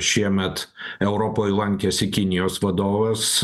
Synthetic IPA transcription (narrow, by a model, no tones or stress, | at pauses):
ʃʲiɛmʲɛt̪ɛʊɾoːpoːlˠɐŋʲkʲɛsɪkʲɪnʲɪjoːsʋɐd̪oːʋɐs